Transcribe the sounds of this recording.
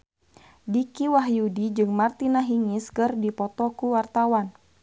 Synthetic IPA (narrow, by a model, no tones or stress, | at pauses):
dikiwaɦjudid͡ʒɨŋmart̪inaɦiŋiskɨrdipɔt̪ɔkuwart̪awan